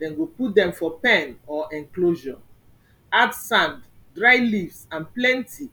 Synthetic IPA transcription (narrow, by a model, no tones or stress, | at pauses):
dɛ̃nɡoput̚dɛ̃mfɔpɛ̃nɔʔɛ̃ŋkloʒɔ̃ | atsãnddɹaɪlifsãnplɛ̃ntʰi